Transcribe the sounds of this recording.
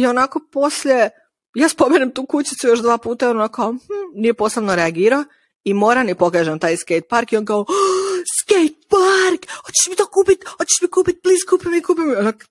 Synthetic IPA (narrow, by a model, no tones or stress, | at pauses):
ionako̞po̞sʎʲe̞ | jaːspo̞meɲemt̪uːkut͡ɕit̪sujoʃd̪ʋaːpuːt̪aɛonnokaohm̩nijeposlebnoɾeaɡiːɾao | imoːɾanipoɡeʒemt̪aːjskejt̪̚paɾkionkaoskejt̪̚paɾkhot͡ɕe̥ʃmit̪okuːpit̪hot͡ɕeʃmikuːpit̪̚liskuːpimikuːpimlak